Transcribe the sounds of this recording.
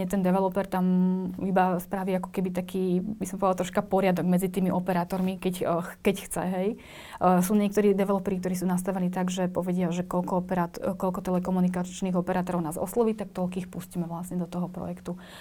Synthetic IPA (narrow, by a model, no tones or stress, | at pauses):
ɛt̪ɛnd̪ɛʋɛlɔpɛɾt̪amibaspɾaʋiːakɔ̥kɛbit̪akʰiːbisɔmpɔʋdalˠt̪ɾɔʃkapɔɾɪad̪ɔɡmɛd͡zit̪iːmiʔɔpɛɾaːt̪ɔɾmikɛcːkɛcxt͡sɛ̰ɦɛj | suːɲɪɛkt̪ɔɾiːd̪ɛʋɛlɔpɛɾik̚t̪ɔɾiːsuːnas̬t̪aʋɛniːt̪aɡʒɛpɔʋɛɟɪaʒɛkɔlkɔɔpɛɾat̪kɔlkɔt̪ɛlɛkɔmunikat͡ʃniːɣɔpɛɾaːt̪ɔɾɔʊnaːzɔ̰slɔʋiːt̪ak̚t̪ɔlkiːxpuscimɛʋlasɲɛd̪ɔt̪ɔɦɔpɾɔ̰jɛkt̪u